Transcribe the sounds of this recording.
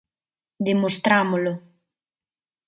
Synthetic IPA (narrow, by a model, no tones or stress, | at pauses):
d̪emost̪ɾamolo